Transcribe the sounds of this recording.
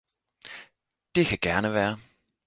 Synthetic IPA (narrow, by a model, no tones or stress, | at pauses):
d̥e̝kʰæɡ̥æɐnəʋæːɐ